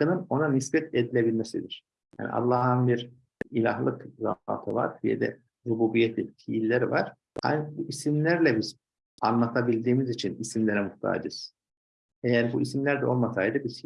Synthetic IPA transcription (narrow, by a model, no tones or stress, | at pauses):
ɯnɯno̞nanisbɛt̪ed̪ilʲebilʲmesḭd̪iɾ̥ | ja̰ːnḭʔa̰lˠːɑɦɯnbiɾ | ilʲaɦlˠɯkza̰ːt̪ʰɯva̰ɾbijɛ̰d̪ɛ̰ | ɾubuːbijet̪ʰlʲḭfʰijlʲːeɾivaɾ̥ | a̰jnbuʔisimlʲæɾlʲɛbiz | anlˠat̪ʰabilʲd̪iːmizit͡ʃʰinisimlʲeɾɛmuht̪ʰa̰ːd͡ʒɯz̥ | ejæɾbuʔisimlʲæɾd̪ɛo̞lˠmasajd̪ɯbiz